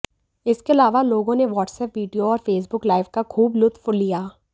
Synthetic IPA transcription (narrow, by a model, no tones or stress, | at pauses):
ɪskeɐlaːʋaloːɡõneʋɔːʈsɛːpʋiːɖijoɔːɾfeːsbʊklaːɪʋkakʰuːblʊt̪ʰːfʊllijaː